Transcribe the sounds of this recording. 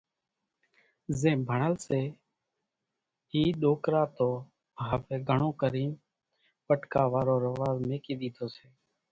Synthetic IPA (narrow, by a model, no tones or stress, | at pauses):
zẽːbʱəɳəlseː | iːɗoːkɾaːt̪oː | ɦəʋeːɡʱəɳõːkəɾiːm | pəʈkaːʋaːɾoːɾəʋaːzmeːkiːɗ̪iːt̪ʰoːseː